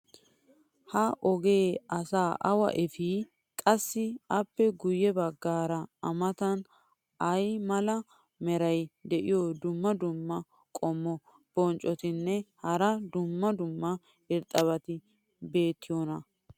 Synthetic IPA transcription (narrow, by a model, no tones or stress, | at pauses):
hɐʔɔɡe̞ːʔɐsaːʔɐwɐ̰ʔɛfi | kʼɐsːɪɐpːɛɡʊjːɛbɐɡːaːɾɐɐ̰mɐt̪ɐn | ʔɐjmɐlɐ | mɛɾɐjd̪ɛʔɪjɔd̪ʊmːɐd̪ʊmːɐ | kʼɔmːɔ | b̥ɔnt͡ʃʼɔt̪ɪnːɛhɐɾɐd̪ʊmːɐd̪ʊmːɐ | ɪɾt̪ʼɐβɐt̪ɪ | be̞ːt̪ːɪjonɐ